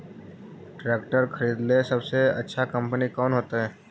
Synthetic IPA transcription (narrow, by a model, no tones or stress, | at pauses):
ʈɾeːkʈəɾkʰəɾiːd̪lesɐbseɐ̰tːʃʰakə̃mpənikɔːnɦoːt̪aɦɛː